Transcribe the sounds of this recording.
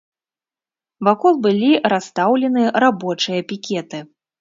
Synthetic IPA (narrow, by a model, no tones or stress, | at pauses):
vakɔlˠbɨlʲiɾast̪awlʲɛnɨjɐɾabɔt͡ʂɨjɐpʲikʲɛt̪ɨ